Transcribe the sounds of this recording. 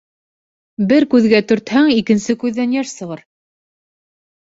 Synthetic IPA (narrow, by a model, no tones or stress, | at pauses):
bɘɾkʉðɡæt̪ɵ̆ɾt̪hæŋikɘ̆nsɘkʉðːænjæʃsɤ̆ʁɤɾ